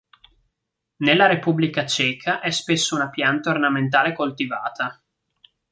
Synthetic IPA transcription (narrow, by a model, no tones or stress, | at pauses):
nelːaɾepubːlikat͡ʃɛːkʰaʔɛspesːounapjant̪aornament̪̬aːlekolt̪ivaːt̪a